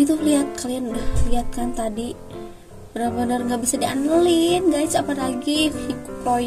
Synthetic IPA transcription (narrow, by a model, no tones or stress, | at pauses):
ɡit̪uliat̪̚kalianudahliat̪̚kant̪adi | bənəbənərŋɡaʔbisadiʔanəlinɡajsapalaɡifikpo